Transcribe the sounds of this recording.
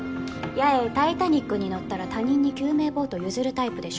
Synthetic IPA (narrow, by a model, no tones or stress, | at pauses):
jaet̪ait̪aɲ̟ikːɯ̟ɲ̟ino̞t̪ːaɾat̪aɲ̟ĩɲ̟ːikʲɨːme̞ːbo̞ːt̪o̞jɯ̟zɨɾɯ̟t̪aipɯ̟d̪e̞ɕo